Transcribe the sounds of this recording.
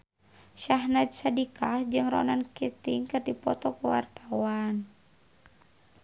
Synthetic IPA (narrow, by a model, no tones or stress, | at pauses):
ʃaɦnat̪̚sadikad͡ʒɨŋrɔ̰nankit̪iŋkɨrdipɔt̪ɔkuwa̰rt̪awan